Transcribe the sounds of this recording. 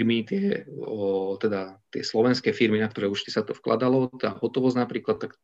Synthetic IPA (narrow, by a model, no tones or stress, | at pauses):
ɾmit̪ɪɛ | t̪ɛd̪at̪ɪɛslɔʋɛnskɛːfiɾminakt̪ɔɾɛːuʃt̪i̥sat̪ɔfkla̰d̪alɔt̪ɛd̪aɦɔt̪ɔʋɔznapɾiːklat̪ːak